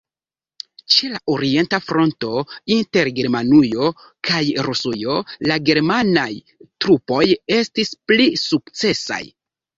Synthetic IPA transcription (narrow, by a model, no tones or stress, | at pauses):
t͡ʃe̞laʔoɾie̞ntafɾo̞nto̞inte̞ɾɡe̞ɾmanujo̞ | kʰajɾusujo̞laɡe̞ɾmanaj | tɾupo̞je̞stisplisukt͡se̞sa̰j